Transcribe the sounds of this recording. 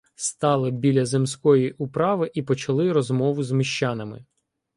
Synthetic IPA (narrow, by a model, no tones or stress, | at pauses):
st̪ɑlˠɪbʲilʲɐzemsʲkɔjiʔʊpɾɑʋɪʔipɔt͡ʃɐlˠɪɾɔzmɔʋʊzmiʃt͡ʃɑnɐmɪ̰